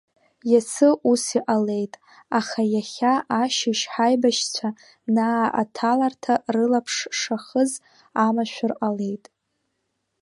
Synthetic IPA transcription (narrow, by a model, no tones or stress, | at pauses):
jasʰɨʔusiʔale̞jtʼ | aχajaχʲaʔaʃɪʃħajbaʃt͡sʷʰa | naːa̰tʰalartʰarɨlapʰʂʂaχəz | amaʃʷᶣʊrʔʼale̞jtʼ